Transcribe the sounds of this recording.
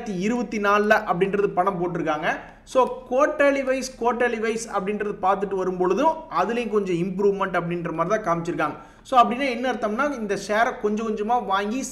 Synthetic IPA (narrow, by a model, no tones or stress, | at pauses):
t̪ːiɪɾɯbɐt̪ːinaːllɐʔɐpːɐɽɪnrɐðɯpɐɳɐ̃mpoːʈ̬ːɪɾɯkːaːŋɡɐ | soːkoːʈːeːɭiʋɐɪskoːʈːeɭiʋɐɪsɐ̰pːɐɽɪnrɾɐðɯpaːɾt̪ɯʈːɯʋɐɾɯmpɔɻɯðʊ̃ɐðɯlɐjʊ̃kɔɲd͡ʒɔ̃ɪmpɾuːʋmɐɳʈɐp̬ːɐɽɪnrɐmaːdɾɪt̪ãːkaːmɪt͡ʃːɪɾɯkːaːŋɡɐ | soːɐpːɐɽɪnːaːɛnːɐɪɾɯt̪ːaːmnaːɪnd̪ɐʂeːɾkɔɲd͡ʒɐ̃kɔɲd͡ʒɐmaːʋaːŋɡi